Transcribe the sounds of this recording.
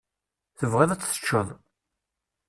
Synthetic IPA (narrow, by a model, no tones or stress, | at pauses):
θəvʁæðæt͡sːθə̥t͡ʃːəðˤ